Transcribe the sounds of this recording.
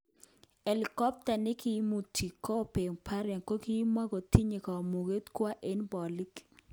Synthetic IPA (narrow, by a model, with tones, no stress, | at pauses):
e˨li˨kɔ˦p̚ta˨nɪ˦kɪ˦mu˨tʰi˨kʰːɔ˦˨pe˨ŋpʰa˦ɾɛ˨nko˦ki˦ma˦ɡɔ˨ti˦ɲe˨kɔ˨mu˨ɡe˦tkwa˦ʔe˦nbɔ˨li˦k